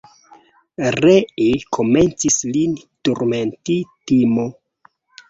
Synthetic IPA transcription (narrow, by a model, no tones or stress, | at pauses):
reekʰo̞me̞nt͡sislintuɾmentitimo